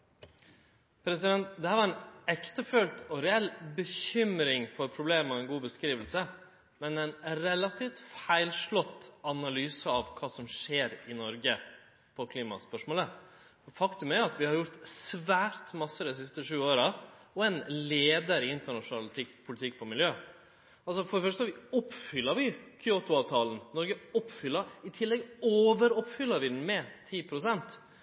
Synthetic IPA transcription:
pʰɾɛsɪd̪ɛnt̪d̪ɛhæɾʋɑɾɛnɛkt̪əfœlt̪ɔɾɛɛlbəçʏmɾɪŋfɔɾpʰɾʊbleːməɾɔɛnɡuːbəskɾiːʋəlsə | mɛnɛnɾɛlːɑt̪ʰiːft̪fæɪlʂɭɔt̪ːɑnɑlyːsəɑʋkʰɑːsɔmʂeːɾɪnɔɾɡə | pʰɔkʰliːmɑ̰spœʂmoːlə | fɔfɑkt̪ʉmæɾjɑt̪ʋɪhɑɾjʊɾt̪sʋæːɾt̪mɑsːəd̪ɛs̬ɪst̪əʂʉːoːɾɑɔɛnleːd̪əɾɪɪnt̪əɳɑʂʊnɑlt̪ʰɪkpʰʊlɪt̪ʰɪkːpʰɔmɪljøː | ɑlsɔfɔɖɛfœʂ̬t̪əɑʋɪɔpːfʏlːəɾʋɪkʰʏot̪ʊɑːʋt̪ʰɑːln̩nɔɾɡəɔpːfʏlːɑɪt̪ʰɪlːɛɡoːʋəɾɔpfʏlːəɾʋɪd̪n̩mɛt̪ʰiːpʰɾʊsɛnt̪

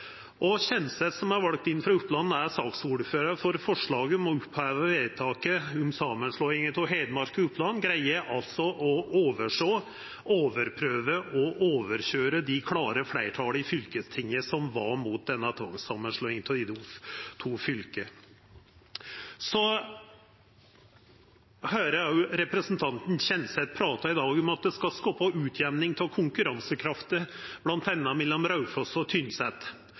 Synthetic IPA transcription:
ʔɔɕɛnsət̪sɔmæɾʋɑlk̚t̪ɪnːfɾɑʉpːlɑnːæɾsɑːksuːɖføːɾəfɔɾfɔʂɭɑːɡəɔmɔʉpʰhæːʋəʋeːt̪ʰɑːkəʊmsɑːmənʂloːɪŋət̪ʰɔɦæɪd̪əmɑɾkəʉpːlɑnːɡɾæɪəʔɑlt̪sɔʔɔoːʋəʂoː | ʔoːʋəɾpʰɾøːʋəʔɔʔoːʋəɾɕøːɾəd̪ɪkʰlɑːɾəflæɪʈʰɑːləɪfʏlkəst̪ʰɪŋəsɔmʋɑɾmut̪̚d̪ɛnːɑt̪ʰʋɑ̰ŋsɑmːənʂɭɔːɪŋt̪ʰɔɪd̪ut̪ʰuːfʏlkə | sɔ | høːɾəæʊɾɛpɾəsnt̪ʰɑnt̪n̩çɛnsɛt̪̚pʰɾɑːt̪ɑɪd̪ɑːɡʊmɑt̪̚d̪ɛskɑskɑːpɑʔʉːt̪ʰjɛʋnɪŋt̪ʰɪlkʰʊŋkʉɾɑnsəkʰɾɑft̪əb̥lɑnt̪ɛnːɑmɛlːɔmɾɑʉfɔsɔt̪ʰʏnsɛt̪

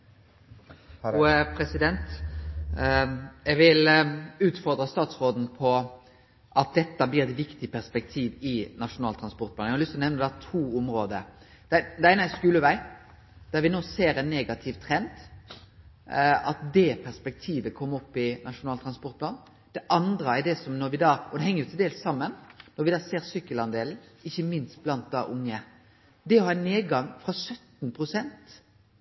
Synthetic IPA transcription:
pʰɾɛsɪd̪ɛnt̪ | ɛɡʋɪlʉːt̪fɔɾd̪ɾɑst̪ɑːt̪sʁoːd̪n̩pʰɔ | ʔɑt̪̚d̪ɛt̪ːəblɪːɾɛt̪ʋɪkt̪ɪpʰæʁspɛk̚t̪ʰiːʋɪnɑʂʊnɑːlt̪ʰɾɑnspɔɾt̪pʰlɑːnːhɑlʏst̪ʰlɔnɛʋnəd̪ɛæt̪ʰuːʊmɾoːd̪əɾ | d̪̥ɛd̪ɛæɪnæskʉːləʋæɪ | d̪̥æɾʋɪnoːseːɾɛnːeːɡɑt̪ʰɪʋt̪ʰɾɛnd̪ | ɑt̪̚d̪ɛpʰæʁspɛk̚t̪ʰiːʋəkʰɔmːəɔpːɪnɑʂʊnɑːlt̪ʰʁɑnspɔɾt̪pʰlɑːn | d̪̥ɛʔɑnd̪ɾəæd̪ɛsɔmnɔɾʋɪd̪ɑːɔd̪ɛhɛŋːəjʊt̪ʰɪld̪eːlssɑmːənnːɔɾʋɪd̪ɑːseːɾsʏkːəlɑnd̪eːln̩ɪçːəmɪnst̪̚blɑnt̪̚d̪ɑ̰ːʔʊŋːə | d̪ɛɔhɑneːd̪ɡɑŋfʁɑsœt̪npʰʁʊsɛnt̪

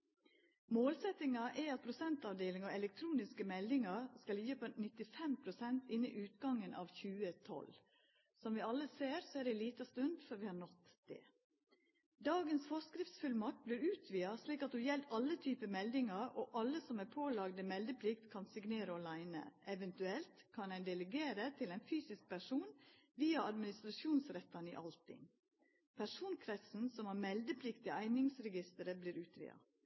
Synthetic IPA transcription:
moːlsɛt̪ɪŋɑʔæɑt̪̚pʰɾʊsɛnt̪ɑʋd̪eːlɪŋɔɛlɛk̚t̪ʰɾuːnɪskəmɛld̪ɪŋɑɾskɑljiːəpʰonɪt̪ɪfɛmpʰɾʊsɛnt̪ɪnːɪ̰ʔʉːt̪ɡɑŋənʔɑ̰ːʋçʉːət̪ʰɔ̰l | sɔmʋɪɑlːəseːɾsɔæːɖɛɪliːt̪ɑst̪ʉnd̪fœɾʋɪhɑnɔt̪d̪̥ɛ̰ | d̪ɑːɡənsfɔskɾɪft̪sfʉlmɑk̚t̪̚blɪɾʉːt̪ʰʋiːɑsliːkɑt̪hʉːjɛlt̪ɑlːət̪ʰyːpəmɛld̪ɪŋɑɾoːʔɑlːəsɔmæɾpʰoːlɑɡd̪əmɛld̪əpʰlɪkt̪kʰɑnsɪɡneːɾəɔlæɪnə̰ʔɛʋɛnt̪ʉɛlt̪kʰɑnæɪnd̪ɛləɡeːɾət̪ʰɪlæɪnfyːsɪsk̚pʰæʂuːnʋiːɑɑd̪mɪnɪst̪ɾɑʃuːnsɾɛt̪ːɑnḭːʔɑlt̪ɪ̰ŋ | pʰæʂuːnkʰɾɛt̪sn̩sɔmæːɾmɛld̪əpʰlɪkt̪ɪæɪnɪŋsɾɛɡɪst̪əɾəbliːɾʉːt̪ʰʋḭːɑ̰

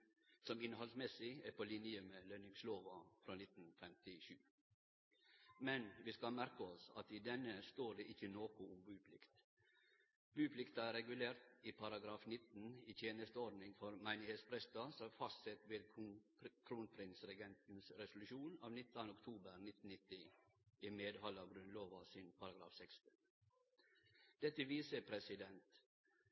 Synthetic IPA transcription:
sɔmɪnhɔlsmɛsɪæpʰolɪnjəəmeːlœnɪŋsloːʋɑfɾɑːnɪt̪n̩fɛmt̪ɪʃʉː | mɛnʋiːskɑlmæɾkəɔsɑ̰t̪iːd̪ɛnəst̪oːɖeːʔɪçənoːkʊʊmbʉːpʰlɪ̰kt̪ | b̥ʉːpʰlɪkt̪ɑæɾɛɡʉleːɾt̪iːpʰɑɾɑɡɾɑːfnɪt̪n̩iːt̪ʰjeːnəst̪əɔɖnɪŋfɔɾmæɪnɪheːt̪spɾɛst̪ɑsɔfɑst̪sɛt̪ʋeːd̪ | kʰɾuːnpʰɾɪnsɾɛɡɛnt̪n̩sɾɛsʊlʉʃuːnɑ̰ːʋnɪt̪nɑnʊkt̪ʰuːbəɾnɪt̪ːn̩ɪt̪ːɪimeːd̪hɑlɑɡɾʉnloːʋɑsɪnpʰɑɾɑɡɾɑ̰ːfsɛkst̪ən | d̪̥ɛt̪ːəʋiːsəpʰɾɛsɪd̪ɛnt̪

